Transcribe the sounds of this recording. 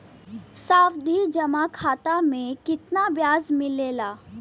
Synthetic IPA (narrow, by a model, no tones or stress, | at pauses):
saːfd̪ʱid͡ʒɐmakʰaːt̪amẽkɪt̪nabjaːzmɪleːlaː